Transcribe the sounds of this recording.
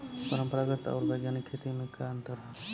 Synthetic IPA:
pəɾəmpəɾaɡət̪a̰ːɾbəjɡjaːnikʰːet̪imẽkant̪əɾɦət̪

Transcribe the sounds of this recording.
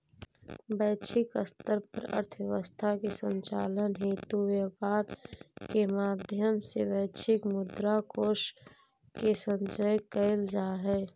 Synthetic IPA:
bɛːt͡ʃʰɪkəst̪əɾpəɾə̰ɾt̪ʰwjəʋəst̪ʰakesə̃nt͡ʃaːlənɦit̪uwjəpaːɾkemaːd̪ʱjəmsebɛːt͡ʃʰɪkmʊd̪ɾakoːʃ | kesə̃nt͡ʃəjkəɪld͡ʒaːɦɛː

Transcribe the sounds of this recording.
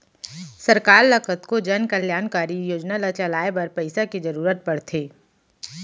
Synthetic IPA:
sɐɾkaːɾlɐkət̪kod͡ʒɐnkɐljaːnkaːɾijoːd͡ʒnalat͡ʃalaːebɐɾpɐɪsakid͡ʒɐɾuːɾət̪̚pɐɽt̪ʰeː

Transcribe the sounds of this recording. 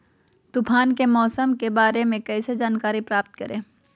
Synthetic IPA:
t̪ʊpʰaːnkemɔːsəmkebaːɾemẽkɛːsed͡ʒaːnkaːɾipɾaːpt̪kɐɾẽː

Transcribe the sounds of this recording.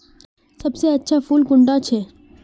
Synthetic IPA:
sɐbseɐtːʃʰafuːlkʊ̃ɳɖat͡ʃʰeː

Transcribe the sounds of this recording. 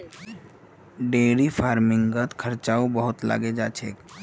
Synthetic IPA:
ɖeːɾifʰaːɾmɪ̃ŋɡət̪kʰəɾt͡ʃaːobəɦʊt̪la̰ːɡed͡ʒaːt͡ʃʰeːk

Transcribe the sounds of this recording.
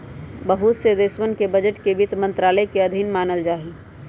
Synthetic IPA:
bəɦut̪sed̪eːsʋənkebəd͡ʒəʈkebɪt̪mə̃nt̪ɾaːləjkeɐd̪ʱɪnmaːnəld͡ʒaːɦi

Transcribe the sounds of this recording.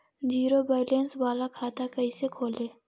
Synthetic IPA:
d͡ʒiːɾobaːɪlensbaːlakʰaːt̪akəisekʰoːleː

